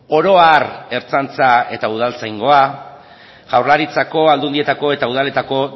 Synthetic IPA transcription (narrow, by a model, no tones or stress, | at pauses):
o̞ɾo̞are̞ɾt͡sant͡sae̞t̪auð̞alt͡sajŋɡo̞a | ɣawrlaɾit͡sako̞ald̪und̪ie̞t̪ako̞e̞t̪auð̞ale̞t̪ako̞